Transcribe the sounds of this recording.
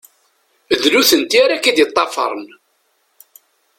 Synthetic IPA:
ðluθənt̪iaɾakæd̪jət̪ˤːɑfɑ̰ɾˤən

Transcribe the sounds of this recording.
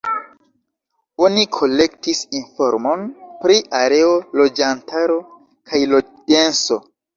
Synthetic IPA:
o̞nikʰo̞le̞ktisinfo̞̰ɾmo̞npɾiʔaɾe̞olo̞d͡ʒantaɾo̞ | kʰajlo | de̞nso̞

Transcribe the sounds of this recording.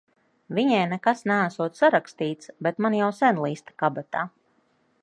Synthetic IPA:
viɲɛjnɛkasnæːsuɔt̪saɾakst̪iːt̪sbɛt̪manjawsɛnlˠiːst̪ḁkabat̪aː

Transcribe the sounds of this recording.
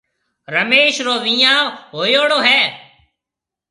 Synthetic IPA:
ɾəmeːʃɾoːʋĩːjãːɦoːjoːɽoːɦɛː

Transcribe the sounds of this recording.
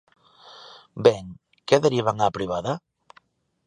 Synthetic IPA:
bɛŋ | kɛðeɾiβaŋapɾiβaða

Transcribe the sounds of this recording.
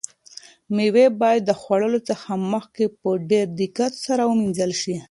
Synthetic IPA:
miwebɑjad̪ːəxwaɽəlot͡səxaməxkepəɖeɾd̪ikat̪saɾawəminzəlʃi

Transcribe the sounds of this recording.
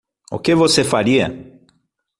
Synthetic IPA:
ʊ̰kɪvosefaɾiɐ̰

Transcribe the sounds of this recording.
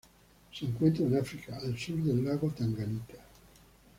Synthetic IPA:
siiŋkwent̪ɾoinafɾikaːlsurd̪elːaɣot̪aŋɡanit̪ʰḁ

